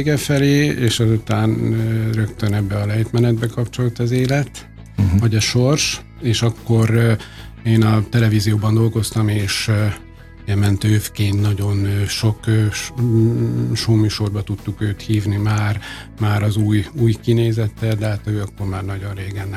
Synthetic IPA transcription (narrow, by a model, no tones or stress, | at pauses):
ɡɛfɛleːeːʃɒzut̪aːnrø̞kt̪ønɛbːɛɒlɛjt̪mɛnɛd̪̚bɛkɒpt͡ʃo̞lt̪ɒzeːlɛt̪ | vɒɟɒʃo̞rʃ | eːʃɒkːo̞r | eːnɒt̪ɛlɛviːzijoːbɒnd̪o̞lɡo̞st̪ɒmeːʃ | jɛmɛnt̪øːfkeːnt̪nɒɟo̞nʃo̞køː | ʃoːmyːʃo̞rbɒt̪ut̪ːukøːt̪hiːvnimaːr | maːɾɒzuːjuːjkineːzɛt̪ːɛld̪ɛɦaːt̪øːɒkːo̞rmaːrnɒɟonreːɡɛnːɛ